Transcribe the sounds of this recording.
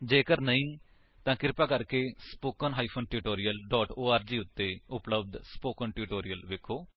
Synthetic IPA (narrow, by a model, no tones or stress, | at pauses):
d͡ʒeːkəɾnəĩː | t̪ãːkɪɾpaːkəɾkeːspoːkənɦaːiːpʰoːnʈuːʈoːɾijəlɖɔːʈoːaːɾd͡ʒiːʊt̪ːeːʊpləbd̪spoːkənʈuːʈoːɾijəlʋeːkʰːoː